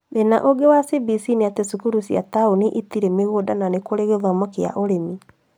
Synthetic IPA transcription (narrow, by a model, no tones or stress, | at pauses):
ðena̰ʔoɡewasibisineatesukuɾusja̰taoniʔitiɾemeɣodananekoɾeɣeðɔmɔkea̰ʔoɾemi